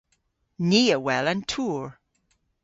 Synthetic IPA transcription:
niːəwɛlə̃ntʰuːɹ

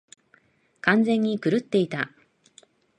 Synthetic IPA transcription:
kãnd͡zẽ̞ɲ̟ːikɯ̟ɾɯ̟t̪ːe̞it̪a

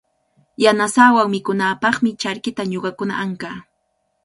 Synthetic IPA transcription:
janasaːwawmɪkʊnaːpɑχmɪt͡ʃaɾkɪt̪aɲoɢɑkʊna̰ʔaŋkaː

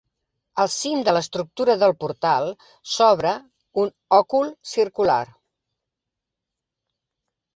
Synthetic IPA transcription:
əlˠsind̪ələst̪ɾuk̚t̪uɾəðəlˠpuɾt̪alˠ | sɔβ̞ɾə | un | ɔkulˠsirkula̰r

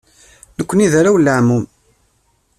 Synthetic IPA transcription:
nəkʷːəniðaɾawlːəʕmum

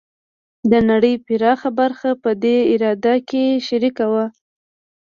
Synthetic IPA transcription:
d̪ənaɽəjpɪɾɑxabaɾxapəd̪eɪɾɑd̪akeʃaɾikawa

